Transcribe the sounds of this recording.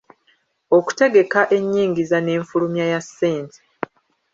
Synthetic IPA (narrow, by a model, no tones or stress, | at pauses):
o̞ku̥te̞ɡe̞kaʔe̞ɲːiːŋɡizane̞ːɱfulumjajasːeːntʰe̥